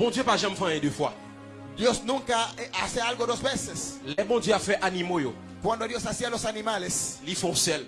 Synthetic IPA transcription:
bɔ̃d̪jøpaʒãmfãɛ̃d̪øfwa̰ | d̪osnũŋkaa̰sealɡod̪ozbɛseslɛbɔ̃d̪jøafɛʔanimojo | kwãnd̪od̪jowsasialosanimaleslifɔ̃sɛl

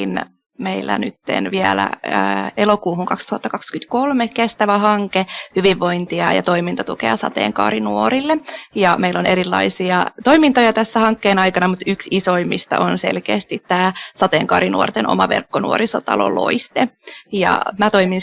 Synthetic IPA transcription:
n | meilːæ̰nyt̪ːḛnʋiælæ̰əːelokuːhuŋkɑkst̪uhɑt̪ːɑkɑkskyt̪kolmekest̪æʋæhɑŋkehyʋiʋːo̞int̪iɑjɑ̰t̪oimint̪ɑt̪ukḛɑsɑ̰t̪ḛːŋkɑ̰ːɾinuoɾilːejɑmeilːoneɾilːɑ̰isiɑt̪oimint̪ojɑt̪æsːæhɑŋkːeːnɑjkɑnɑmut̪yksisoimist̪ɑ̰ʔonsḛlkeːst̪it̪tæːsɑt̪eːŋkɑːɾinuort̪enʔo̰mɑʋḛrkːonṵoɾisot̪ɑ̰lo̰lo̰ist̪ejɑ̰mæt̪oimin

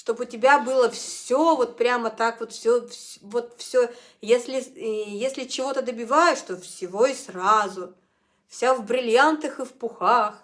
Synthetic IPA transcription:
ʂt̪o̞bʊtʲɪbʲabɨlˠəfssʲovo̞t̪̚pɾʲamət̪akvo̞t̪fsʲofsvo̞t̪fsʲo | jesʲlʲɪjesʲlʲɪt͡ɕɪvo̞t̪əd̪əbʲɪvajɪʂt̪ofsʲɪvo̞israzʊ | fsʲavbɾʲɪlʲjant̪ɨxɨfpʊxax

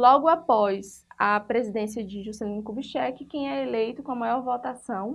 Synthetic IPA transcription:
lɔɡʊapɔsɐpɾezid̪ẽsiɐd͡ʒɪʒusɛlĩnɪkubiʃɛkɪkẽj̃ɛelejt̪ʊkõɐmajɔɾvot̪asɐ̃w̃

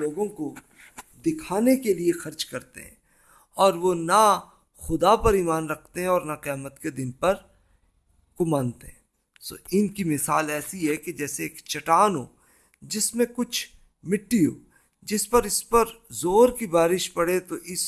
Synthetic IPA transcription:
oːɡõko | d̪ɪkʰaːnekeliexɐɾt͡ʃkɐɾt̪ḛɦɛ̰̃ː | ɔːɾʋona | xʊd̪apɐɾiːmaːnɾɐkʰt̪eɦɛ̃ɔːɾnaqijaːmət̪ked̪ɪnpɐɾ | kʊmaːnt̪eɦɛ̃ː | so̰ːɪnkimɪsa̰ːlɛːsiɦɛked͡ʒɛːseːkt͡ʃɐʈaːnɦo̰ː | d͡ʒɪsmẽkʊt͡ʃʰ | mɪʈːiɦo̰ː | d͡ʒɪspɐɾɪspɐɾzoːɾkibaːɾɪʃpɐɽet̪oʔɪs

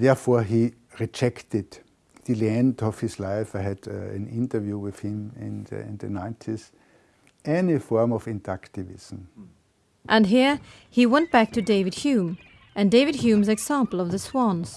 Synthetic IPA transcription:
ðɛɐfɔɐɦi | ɹid͡ʒɛktɪd | ðəlæ̃ndɔfhɪslaɪfaɪhædæ̰̃nɪ̃ntə˞vjuwɪθhɪ̃mɪ̰̃nɪ̰̃nðə̰nãɪ̃ntʰis | ʔɛnifɔɹmɔfɪ̃ntaktɪvɪ̰sm̩ | ʔə̃nɦiɹ | hiwɛ̃nb̥æk̚tʰɨdeɪvɨd̚hjʉ̃m | ʔɨ̃ndeɪvɨd̚hjʉ̃mzɨɡzæ̃mpl̩ˠʌvðəswɔ̃nz̥

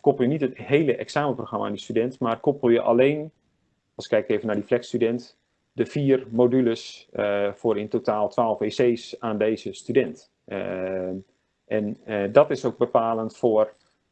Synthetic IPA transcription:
kopl̩ˠjənitətheːləʔɛksaːməproxrama̰ːndistydɛntmarkopəl̩ˠjəʔa̰leːn | ɑlˠsɪ̥kːɛjkeːvənadiflɛkstydɛnt | dəfiːərmoːdyləs | fʊːɾɪntotaːlˠtʰʋaːlˠfʋeːseːsaːndeːzəstydɛnt | ɛndɔtɪsoɡ̚bəpaːlˠəntfʊər

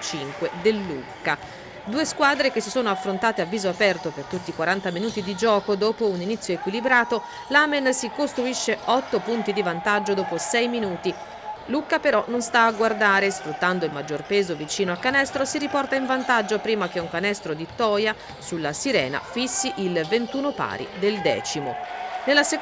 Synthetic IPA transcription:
t͡ʃiŋkwed̪elːukːa | d̪uːeskwaːd̪ɾek̟esːisoːnoafːɾont̪aːt̪eavːiːzoapɛrt̪opert̪ut̪ːikwaɾant̪aminuːt̪id̪id͡ʒɔːkod̪oːpouninit̪sːjoekwilibɾaːt̪o | lamensikost̪ɾuiʃːeɔt̪ːopunt̪id̪ivant̪ad͡ʒːod̪oːposɛjminuːt̪i | lukapeɾɔnonst̪aːɡward̪aːɾesfɾut̪ːand̪oilmad͡ʒːorpeːzovit͡ʃiːnoalkːanɛst̪ɾosiɾipɔrt̪aiɱvant̪ad͡ʒːopɾiːmak̟euŋkanɛst̪ɾod̪it̪ɔːja | sulːasiɾɛ̰ːna̰fisːiʔilvent̪uːnopa̰ːɾḭd̪eld̪ɛ̰ːt͡ʃimonelːase

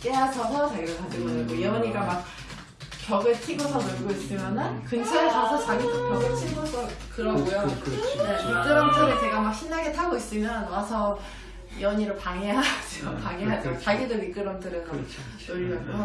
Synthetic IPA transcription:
k͈easʰʌsʰʌt͡ɕaɡiɡɯtʰadɯɡonaɡoiʌɲiɡ͈amak̚ | kjʌɡɯɭtʰiɡosʰʌnoɭɡois͈ɯmjanɯnkɯnd͡ʑʰesasʰʌt͡ɕaɡidokjʌɡɯɭtʰiɡosʰʌkɯɾʌɡujonemik͈ɯɾʌnt͈ʰɯɾɯt͡ɕe̞ɡamak̚ɕʰinːaɡetʰaɡois͈ɯmjʌnwasʰʌ | iʌɲiɾɯɭpaŋeɦad͡ʑʌpaŋiɦad͡ʑot͡ɕaɡidomik͈ɯɾʌnt͈ʰɯɾɯn | noɾaɡo

